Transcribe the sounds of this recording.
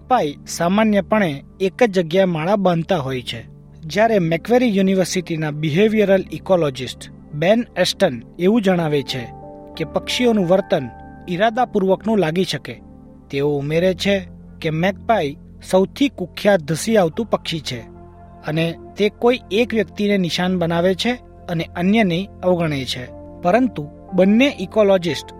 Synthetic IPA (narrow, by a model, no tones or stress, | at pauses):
k̚paisamanjəpəɳ̃eː | kəd͡ʒəɡjaemaɭabãnt̪aɦojt͡ʃʰe | d͡ʒjaɾemɛkʋeɾijuniʋəɾsiʈinabiɦeʋijəɾəlikɔlɔd͡ʒɪsʈ | benɛsʈəneʋũd͡ʒəɽ̃aʋet͡ʃʰe | kepəkʃionũʋəɾt̪ən | iɾad̪apuɾʋəknũlaɡiʃəke | t̪eoumeɾet͡ʃʰe | kemɛk̚pai | səwt̪ʰikukʰːjad̪ʱəsiaʋt̪ũpəkʃit͡ʃʰe | ənet̪ekoiekʋjəkt̪inenɪʃanbənaʋet͡ʃʰe | əneʔənjənə̃ĩəʋɡəɳ̃et͡ʃʰe | pəɾənt̪u | bənːeʔikolɔd͡ʒɪsʈ